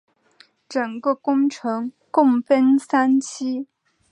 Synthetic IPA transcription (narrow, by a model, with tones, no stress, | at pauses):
ʈ͡ʂɤ˨˩ŋkə˥˧kʊ˥ŋʈ͡ʂʰɤ˧˥ŋ | kʊ˥˩ŋfə˥nsa˥nt͡ɕʰi˥